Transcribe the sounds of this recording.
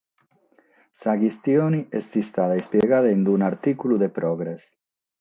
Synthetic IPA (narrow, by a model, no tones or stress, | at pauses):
saɣist̪joniesd̪ist̪aðaespjeɣaðaend̪unaɾt̪ikuluðepɾoɣɾes